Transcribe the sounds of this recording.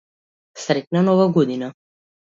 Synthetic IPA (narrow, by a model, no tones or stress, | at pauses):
sɾɛc̪̚ʲnanɔvaɡɔd̪ina